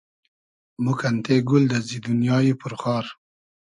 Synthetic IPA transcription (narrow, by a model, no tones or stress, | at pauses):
mukant̪eɡʊld̪əzid̪unjɑːjipʊɾxɑːɾ